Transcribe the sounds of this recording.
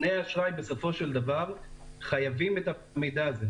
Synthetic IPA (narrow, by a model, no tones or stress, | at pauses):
nejaaʃʁajbeso̞fo̞ʃeld̪avaʁχajavimet̪a | mejd̪aːze